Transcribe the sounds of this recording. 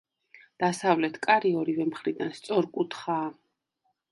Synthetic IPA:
d̪̥asavlɛt̪ʰkʼaɾiɔɾivɛmχɾid̪anst̪sʼɔɾkʼut̪ʰχaː

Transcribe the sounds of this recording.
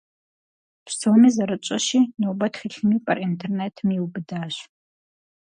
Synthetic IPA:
psoːmiːzɐɾɨt͡ʃʷʼɐʃiːnowbɐtχiɬɨmiːpʼɐ̰rʔintʰernetʰmiwbɨdaːɕ

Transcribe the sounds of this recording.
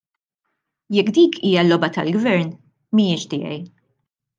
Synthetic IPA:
jɛkːd̪iːkʰiːjɐlːɔbɐt̪ɐ̰lɡvɛɾn | mijɪːʃt̪ɪːjɛ̰j

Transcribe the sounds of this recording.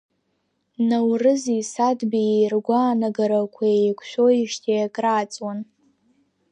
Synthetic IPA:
nawrɨzisadbijejrɡʷaːnaɡaɾakʷʰaejkʷʰʃʷᶣoiʂtʰijakʼraːt͡sʼwan

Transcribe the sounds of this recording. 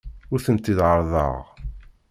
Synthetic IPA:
ʊɾθənt̪ːiðʕəɾˤðˤɑ̰ʁ

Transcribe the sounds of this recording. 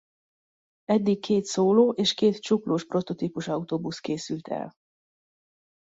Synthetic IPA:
ɛd̪ːikkːʰeːt̪soːloːʔeːʃkeːt̪t͡ʃukloːʃpro̞t̪o̞t̪iːpuʃɒut̪oːbuskeːsylt̪ʰɛ̰l

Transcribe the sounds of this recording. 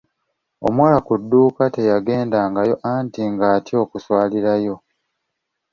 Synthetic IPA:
o̞̰mwaːlakudːuːkate̞jaɡe̞ːndaːŋɡajo̞ʔantiŋɡaːtio̞ːkuswaːliɾajo̞

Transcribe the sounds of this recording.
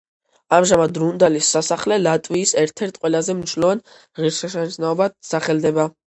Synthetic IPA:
amʒamad̪ɾund̪alisːasaχlɛlat̪ʼwiːsɛɾt̪ʰɛɾt̪ʰqʼwɛlazɛmniʃlɔvan | ʁiɾsɛʃant̪sʰnaɔbasaχɛld̪ɛba

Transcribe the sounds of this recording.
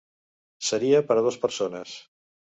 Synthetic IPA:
səɾiəpəɾəð̞ospəɾsonəs

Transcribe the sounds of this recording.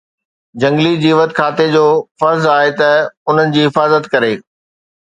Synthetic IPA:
d͡ʑɐ̃ŋɡlid͡ʑiːʋət̪kʰaːt̪ed͡ʑoːfɐɾzaːɦet̪ɐʊn̤ənɪ̆d͡ʑiːɦɪfaːzət̪kɐɾeː

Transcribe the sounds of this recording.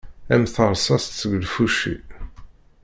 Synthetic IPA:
æmθəɾˤsɑst̪t͡sːəɡlfuʃḭ

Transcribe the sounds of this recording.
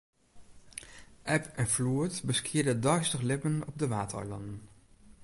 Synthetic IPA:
ʔɛpɛnfluətbəskʰɪːɹdədœɥstəχlɪpənɔb̚dəʋaːtəœ̰jlɑ̰ndən

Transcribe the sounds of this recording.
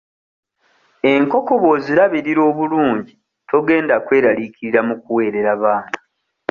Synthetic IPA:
e̞ŋko̞ko̞βo̞ziɾaβiɾiɾo̞ːβuluːɲɟi | tʰo̞ɡe̞ːndakwe̞ːɾaliciɾiɾamukuwe̞ːɾe̞ɾaβaːna

